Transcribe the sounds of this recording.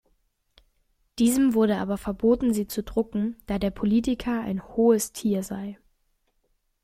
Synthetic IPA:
d̥iːzəmvʊɐɾəʔa̰ːbɐfɛɐboːtn̩ziːt͡sudʁʊkŋ̩d̥aːdeːɐpʰoliːtɪkʰɐa̰ɪnhoːəstʰiːɐzaɪ

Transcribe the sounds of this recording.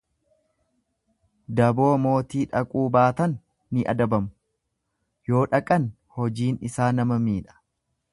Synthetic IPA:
d̪ɐbo̞ːmo̞ːt̪iːᶑɐkʼuːbaːt̪ɐnː | ɪʔɐ̰d̪ɐbɐmʊ | jo̞ːᶑɐkʼɐn | hɔd͡ʒiːnɪsaːnɐmɐmiːᶑɐ̥

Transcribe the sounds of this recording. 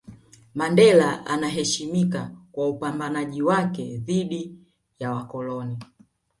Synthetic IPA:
mandɛlaʔa̰naɦɛʃimikakwaupambanaʄiwakɛðiɗi | jawakɔlɔni

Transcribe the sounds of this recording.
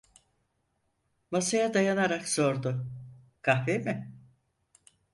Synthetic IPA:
masajad̪ajanaɾakzo̞ɾd̪ʊ | kʰahvemɪ

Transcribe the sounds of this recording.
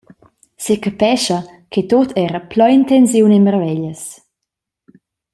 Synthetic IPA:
sekapɛʃə | kʰet̪ot̪ʰɛɾəplɔint̪ɛns̬iwnenmərvɛʎəs

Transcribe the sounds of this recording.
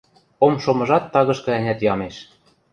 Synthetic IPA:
omʃomɤ̆ʒɑt̪ːɑɣɤ̆ʃkɤ̆ænʲæt̪jɑmeʃ

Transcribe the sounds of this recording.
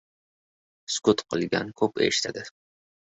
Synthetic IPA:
skʊt̪qʰɨlˠɡʲa̰nkʰɵpe̞̰ʃɪ̥t̪ʰad̪ɪ

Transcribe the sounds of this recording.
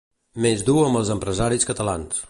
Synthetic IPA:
mezd̪uəmbəlˠzəmpɾəzaɾiskət̪əla̰ns

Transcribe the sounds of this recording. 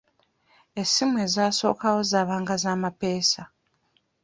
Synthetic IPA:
esimwe̞ːzaːso̞̰ːkawo̞zaːβaːŋɡazaːmape̞ːsa

